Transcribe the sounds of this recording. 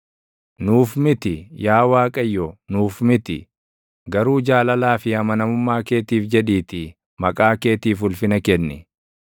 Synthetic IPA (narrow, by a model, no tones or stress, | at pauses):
nuːfmɪt̪ɪjaːwaːkʼɐjːɔnuːfmɪt̪ɪ̰ | ɡɐɾuːd͡ʒaːlɐlaːfɪhɐmɐnɐmʊmːaːke̞ːt̪iːfd͡ʒɛᶑiːt̪ɪ | mɐkʼaːke̞ːt̪iːfʊlfɪnɐkɛnːɪ